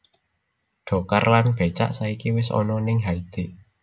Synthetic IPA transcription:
ɖ̥ɔ̤karlanb̥e̤t͡ʃa̰ʔsaikiwɪsɔ̰nɔnɪŋɦaid̪̥e̤

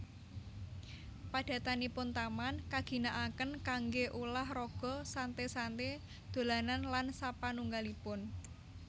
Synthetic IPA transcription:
pad̥a̤t̪anipʊnt̪amankaɡ̥i̤naʔakənkaŋɡeʔulahrɔɡ̥ɔ̤sant̪esant̪e | d̪̥o̤lananlansapanuŋɡalipʊn

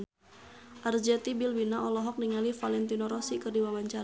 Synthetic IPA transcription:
ʔard͡ʒɛt̪ibilwinaʔɔlɔɦɔk̚niŋalifalɛnt̪inɔɾɔsikɨrdiwawaɲt͡ʃa

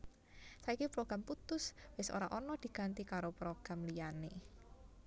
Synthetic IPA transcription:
saikipɾoɡ̥ɾamput̪ʊswɪso̰ɾaʔɔnɔd̪̥i̤ɡ̥a̤nt̪ikaɾopɾoɡ̥ɾamlijane

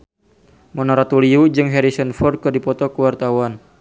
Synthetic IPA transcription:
mɔnɔɾat̪uliud͡ʒɨŋɦɛɾisənfɔr̚kɨrdipɔt̪ɔkəwart̪awan

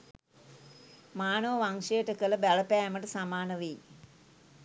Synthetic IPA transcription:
maːnəʋəʋaŋʂejəʈəkələbæɭəpæːməʈəsamaːnəʋij

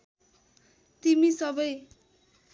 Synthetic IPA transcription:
t̪imisʌbʌj

